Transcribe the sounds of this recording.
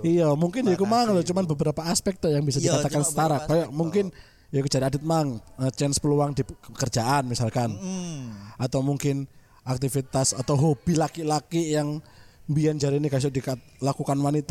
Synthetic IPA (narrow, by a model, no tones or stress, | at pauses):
ijamuŋkɪnjakumaŋlɔt͡ʃumanbəbəɾapaːspɛk̚t̪ɔjaŋbisadikat̪akansə̥t̪aɾakajamuŋkɪn | jaku̥d͡ʒaɾiadɪt̪̚maŋət͡ʃɛnspəluaŋdiəkərd͡ʒaʔanmisalkan | at̪awmuŋkɪn | ak̚t̪ifit̪asat̪awɦob̥ilakilakijaŋbiand͡ʒaɾinikas̬ʊdika | lakukanwanit̪a